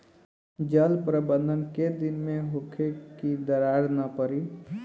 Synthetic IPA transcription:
d͡ʒəlpɾəbə̃nd̪ʱənked̪ɪnmẽɦokʰekid̪əɾaɾnəpəɾi

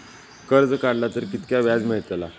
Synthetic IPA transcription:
kəɾd͡zkaɽlat̪əɾkit̪kjaʋjad͡zməɦt̪la

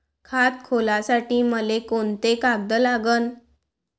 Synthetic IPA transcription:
kʰat̪̚kʰolasaʈiːməlekoɳt̪ekaɡ̚d̪əlaɡən

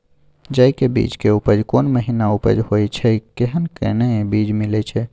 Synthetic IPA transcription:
d͡ʒəjkebḭd͡ʒkeupəd͡ʒkonməɦinaupə̰d͡ʒhojt͡ʃʰɛkeɦənkḛnebid͡ʒmilɛt͡ʃʰɛ

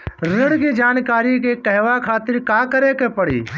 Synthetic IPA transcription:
ɾɪɽkid͡ʒaːnkaːɾikekɛɦʋakʰaːt̪ɪɾkaːkəɾekepəɽḭː

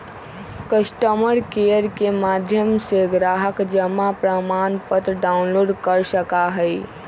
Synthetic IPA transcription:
kəsʈəməɾkejəɾkemad̪ʱjəmseɡɾaɦəkd͡ʒəmapɾəmanpət̪ɾɖaunloɖkəɾsəkaɦəj

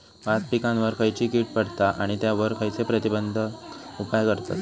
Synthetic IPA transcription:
ʋat̪pikãnʋəɾkʰəjt͡ɕiːkiːʈ̚pəɽt̪aʔaɽ̃it̪jaʋəɾkʰəjt͡sepɾət̪ibənd̪ʱəupajkəɾt̪a̰t̪

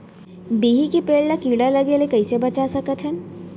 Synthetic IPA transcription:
biːɦikipeːɖnakiːɽalɐɡelekɐisebɐt͡ʃasɐkət̪ʰɦɛ

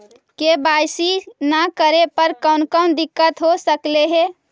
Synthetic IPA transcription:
kebajsinakəɾepəɾkəʊnkəʊnd̪ɪkːət̪ɦosəkleɦɛ

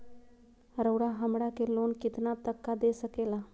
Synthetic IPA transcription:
ɾəʊɽaɦəmɽakeloːnkɪt̪nat̪əkːad̪esəkeːla

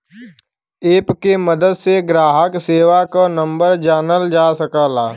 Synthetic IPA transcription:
eːpkeməd̪əd̪seɡɾaːɦəkseːʋakanə̃mbəɾd͡ʒaːnəld͡ʒaːsəkaːlaː

